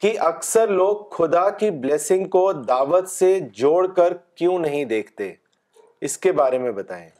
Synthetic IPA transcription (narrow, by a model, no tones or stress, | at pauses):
kiʔɐksəɾloːɡxʊd̪akibleːsɪ̃ŋɡkod̪aːʋət̪sed͡ʒoːɽkəɾkjũːnɐɦĩd̪eːkʰt̪ḛː | ɪskebaːɾemẽbɐt̪a̰ːḛ̃ː